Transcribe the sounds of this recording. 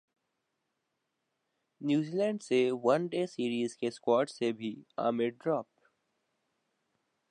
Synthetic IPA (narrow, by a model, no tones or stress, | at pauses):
njuːziːlɛ̃ːɳɖseʋɐ̃nɖeːsiːɾiːzkeskwɔːɾʈsebʱia̰ːmɪɖɾɔːp